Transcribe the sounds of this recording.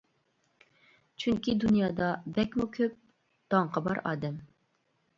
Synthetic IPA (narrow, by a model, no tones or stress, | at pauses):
t͡ʃʰyŋkʲʰid̪unjɑːd̪ɑbɛkʲmukʲʰøp̚ | d̪̥ɑŋqʰɑbɑ̰ɾɑ̰ːd̪ɛm